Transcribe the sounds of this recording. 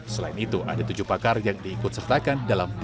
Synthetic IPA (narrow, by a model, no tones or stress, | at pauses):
səlaɪnit̪uʔa̰dat̪ud͡ʒuhpakarjaŋdiːkʊt̪̚sərt̪akandalamt̪